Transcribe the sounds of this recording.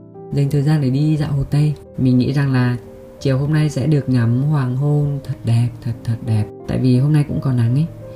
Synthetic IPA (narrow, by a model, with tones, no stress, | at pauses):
zə˨˩jŋ̟t̪ʰəː˨˩jzaː˧nɗe˧˩ɗi˧za̰ː˧˨who˨˩t̪ə˧j | mï˨˩ŋ̟ŋḭ˧˥za˨˩ŋlaː˨˩ | t͡ɕi˨˩əwho˧mna˧jsɛ̰˧˥ɗɨ˨˩ək̚ɲa˨˦mhwaː˨˩ŋɦo˧nt̪ʰə˨˩t̚ɗɛ˨˩p̚t̪ʰə˨˩t̚t̪ʰə˨˩t̚ɗɛ˨˩p̚t̪a̰ː˧˨jvi˨˩ɦo˧mna˧jkʊ̰˧˥ŋ͡mkɔ˨˩nːa˨˦ŋə˧˦j